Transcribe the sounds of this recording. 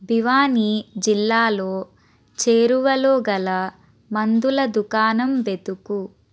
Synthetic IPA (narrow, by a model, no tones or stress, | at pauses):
biʋaːnid͡ʒilːaːloː | t͡ʃeːɾuʋɐloːɡɐlɐ | mɐnd̪ulɐd̪ukaːnɐmʋet̪uku